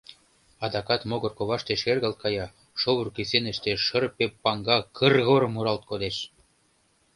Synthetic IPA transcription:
ɑd̪ɑkɑt̪moɣɤ̆rkoβɑʃt̪eʃerɣəlt̪̚kɑjɑ | ʃoβurkisenə̆ʃt̪eʃə̆rpepːɑŋɡɑkʰə̆rɣoɾmuɾɑlt̪̚kod̪eʃ

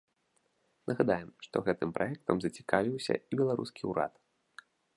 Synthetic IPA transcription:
nʔɐɣad̪ajɛmʂt̪ɔɣɛt̪ɨmpɾajɛk̚t̪ɐmzɐt͡sʲi̥kavʲiwsʲɐ̰ibʲɛlˠaɾṵskʲiuɾa̰t̪

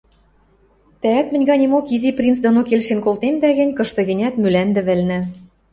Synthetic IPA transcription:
t̪ææt̪mɘ̆nʲɣɑnʲemokiziprʲint͡sd̪onokelʃenkolt̪end̪æɣɘ̆nʲkɤ̆ʃt̪ɤ̆ɣɘ̆nʲæt̪mylænd̪ɘ̆βɘ̆lnɘ̆

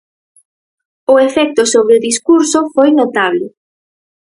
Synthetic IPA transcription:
ʊefɛk̚t̪ʊsoβɾeʊðiskuɾsʊfojnot̪aβlɪ

